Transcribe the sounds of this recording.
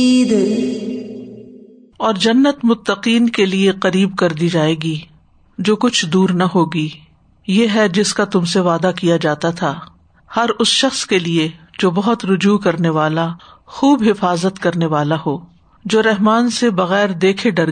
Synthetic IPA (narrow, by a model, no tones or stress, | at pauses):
d̪ | ɔːɾd͡ʒɐnːət̪mʊt̪ːəqiːnkelieqɐɾiːb̚kɐɾd̪id͡ʒaːeːɡi | d͡ʒoːkʊt͡ʃʰd̪uːɾnɐɦoːɡiː | jeːɦɛd͡ʒɪskat̪ʊmseʋaːd̪akijad͡ʒaːt̪at̪ʰaː | hɐɾʊsʃɐxskelied͡ʒoːbɐɦʊt̪ɾʊd͡ʒuːkɐɾneʋaːla | xuːbɦɪfaːzət̪kɐɾneʋaːlaɦoː | d͡ʒoːɾɛɦmaːnsebɐɣɛːɾd̪eːkʰeɖɐɾ